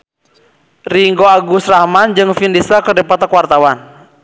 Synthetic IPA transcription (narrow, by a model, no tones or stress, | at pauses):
riŋɡoaɡusrahmand͡ʒɨŋfindisakədɛpɔt̪akwart̪awan